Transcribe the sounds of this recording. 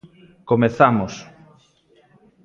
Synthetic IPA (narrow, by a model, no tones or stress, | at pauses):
komeθamos